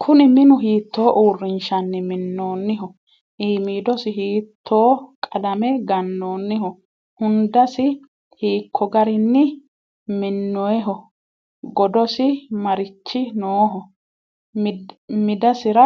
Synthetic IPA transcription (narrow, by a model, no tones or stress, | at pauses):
kʰʊnɪmɪnʊɦiːt̪ːo̞ːʔuːrːɪnʃɐnːɪmɪnːoːnːɪɦɔ | ʔiːmiːd̪ɔsɪhiːt̪ʰːo̞ːkʼɐlɐmɛɡɐnːoːnːɪɦɔ | hʊnd̪ɐsɪ | hiːkʰːɔɡɐɾɪnːɪ | mɪnːɔjɛɦɔ | ɡɔd̪ɔsɪmɐɾɪt͡ʃːɪnoːɦɔ | mmɪd̪ɐsɪɾɐ